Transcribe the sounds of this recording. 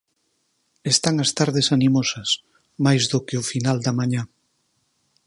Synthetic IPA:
est̪aŋɐst̪aɾðesanimosɐs | majzðʊkeʊfinald̪ɐmãɲã

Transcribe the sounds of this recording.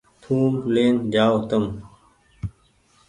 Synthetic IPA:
t̪ʰuːmleːnd͡ʑaːot̪ɐm

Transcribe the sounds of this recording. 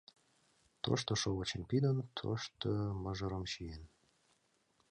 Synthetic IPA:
t̪o̰ʃt̪oʃoɣət͡ɕenpid̪ənt̪ʰo̰ʃt̪oməʒə̆ɾəmʃijen

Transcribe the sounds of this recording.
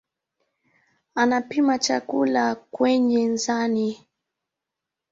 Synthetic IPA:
anapimat͡ʃakulakwɛɲɛnzani

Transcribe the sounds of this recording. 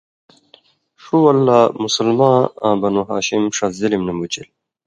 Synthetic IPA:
ʂuwɐlːaːmusɐlmãːã̰ːbɐnuɦa̰ːɕimʂɐzilimnɐmut͡ɕil

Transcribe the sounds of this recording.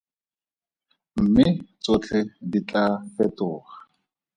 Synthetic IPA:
m̩mɪt͡sot͡ɬʰedit͡ɬʼafɛtʊːχa

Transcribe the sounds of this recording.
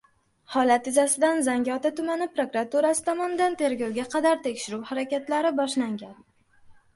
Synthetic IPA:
hɒlat̪ɪzasɪd̪anzaŋɡʲɒt̪at̪ʊmanɪpɾokɾat̪uɾasɪ̥t̪ʰɒmɒnɪd̪ant̪ʰe̞ɾɡʲowɡʲaqʰɑd̪aɾt̪ʰe̞kʲʃɪɾuwhaɾakʲat̪laɾɪbɒʃlaŋɡʲan

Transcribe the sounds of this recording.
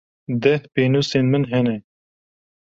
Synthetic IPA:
d̪ɛht̪peːnuːseːnmɨnɦɛnɛ

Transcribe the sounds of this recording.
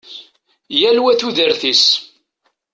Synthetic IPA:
jælwæθuðəɾθis

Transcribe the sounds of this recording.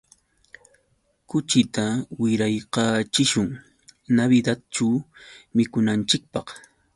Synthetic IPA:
kʊt͡ʃɪt̪awɪɾajqɑːt͡ʃɪʃʊŋ | naβɪd̪at̪̚t͡ʃawmɪkʊnant͡ʃɪk̚pɑχ

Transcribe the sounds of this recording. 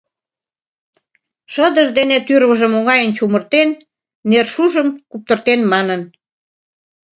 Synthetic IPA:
ʃəd̪əʒd̪enet̪yrβəʒə̆moŋɑjənt͡ɕumərt̪enː | erʃuʒəmkup̚t̪ə̆rt̪enmɑnən

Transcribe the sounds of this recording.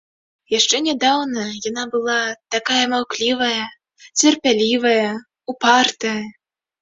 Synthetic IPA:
jaʂt͡ʂɛnʲad̪awnɐjanabɨlˠat̪akajɐmawklʲivɐjɐ | t͡sʲɛrpʲalʲivɐjɐ | upart̪ɐjɐ

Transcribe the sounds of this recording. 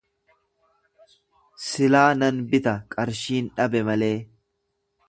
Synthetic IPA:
sɪlaːnɐnbɪt̪ɐkʼɐɾʃiːnᶑɐbɛmɐle̞ː

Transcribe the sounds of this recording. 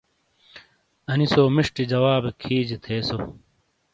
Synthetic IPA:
ɐnisoːmiʂʈid͡ʑɐwaːbekʰiːd͡ʑit̪ʰeːso

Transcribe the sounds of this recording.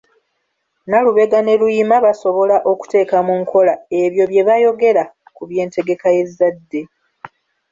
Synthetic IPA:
naluβe̞ɡane̞lujimaβaso̞βo̞laʔo̞ku̥te̞ːkamuŋkʰo̞lae̞βjo̞βje̞βajo̞ɡe̞ɾa | kuβje̞ːnte̞ɡe̞kaje̞zːadːe̞

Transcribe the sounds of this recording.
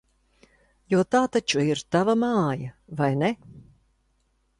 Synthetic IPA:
juɔt̪aːt̪at͡ʃuiɾt̪avamɑːja | vajne

